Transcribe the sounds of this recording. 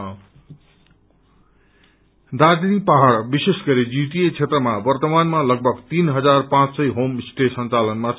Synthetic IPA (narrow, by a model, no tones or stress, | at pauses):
d̪ad͡znipaɦaɽbisesɡʌɾid͡ziʈiet͡sʰet̪rʌmabʌrt̪ʌmanmalʌɡ̚bʱʌɡt̪inɦʌd͡zarpãt͡ssʌjɦomsʈesʌnt͡salʌnmat͡sʰ